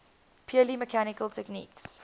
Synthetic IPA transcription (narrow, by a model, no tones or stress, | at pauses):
pʰjuəliməkʰænɪkəlˠtʰɛknḭːks